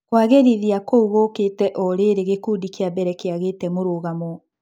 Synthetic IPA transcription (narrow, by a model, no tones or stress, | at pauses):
kwaɣeɾiðiakouɣoketɛʔɔɾeɾeɣekudikeabɛɾɛkeaɣetɛmoɾoɣamo